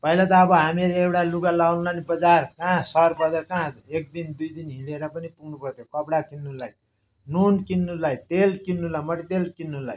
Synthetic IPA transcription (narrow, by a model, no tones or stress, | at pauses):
pʌilat̪̬ʌːbʌɦamileewʈaluɡalawnlanibʌd͡zarkãsʌrbʌdʌrkãek̚d̪ind̪ujd̪inɦileɾʌpʌnipuɡnupʌrt̪ʰjokʌpɽakinːulaj | nunkinːulajt̪elkinːulajmʌʈit̪elkinːula̰j